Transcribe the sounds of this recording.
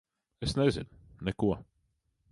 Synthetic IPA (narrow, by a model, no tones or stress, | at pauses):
ɛsnɛzɪ̰nnɛkuɐ